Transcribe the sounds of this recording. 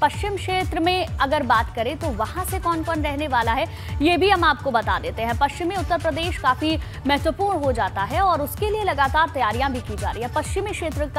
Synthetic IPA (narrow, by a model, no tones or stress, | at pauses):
pɐʃt͡ʃɪmkʃeːt̪ɾəmẽɐɡəɾbaːt̪kɐɾẽt̪oʋɐhãsekɔːnkɔnɾɛɦneʋaːlaɦɛ | jebʱiɦɐmaːp̚kobɐt̪ad̪eːt̪eɦɛ̃pɐʃt͡ʃɪmiʊt̪ːəɾpɾɐd̪eːʃkaːfi | mɛɦt̪ʋəpuːɾɳɦod͡ʒaːt̪aɦɛɔːɾʊskelielɐɡaːt̪aːɾt̪ɐjaːɾijãbʱikid͡ʒaːɾɐ̰iɦɛpɐʃt͡ʃɪmikʃeːt̪ɾək